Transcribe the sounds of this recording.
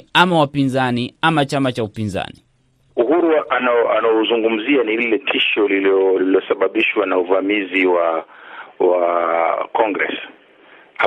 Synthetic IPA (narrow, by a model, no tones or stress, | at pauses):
amawapinzaniamat͡ʃamat͡ʃaupinza̰ni | uhuɾuʔanaanaɔzuŋɡum̩zianililɛtʰiʃɔlilɔliliɔsaɓaɓiʃwanauvamiziwa | wa | kɔŋɡɾɛ̰s | a